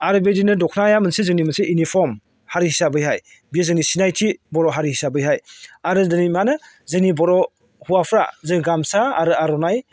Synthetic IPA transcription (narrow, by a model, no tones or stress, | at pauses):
aɾɯbedinɯdɔkʰnajamɯnsezɯnimɯnseʔinipʰɔm | haɾihisabɯjɦaj | biazɯnisinajtʰibɔɾɔɦaɾihisabɯjɦajaɾɯdɯnimanɯ | zɯnibɔɾɔ | huwapʰɾa̰zɯniɡamsaaɾɯaɾɔnaj